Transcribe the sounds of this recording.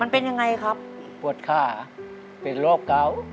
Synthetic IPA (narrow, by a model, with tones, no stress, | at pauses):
ma˧npe˧nja˧ŋa˧jkʰa˦˥p̚ | pu˨˩ət̪̚kʰaː˧˩ | pe˨nloː˥˩kːaː˧˥˩w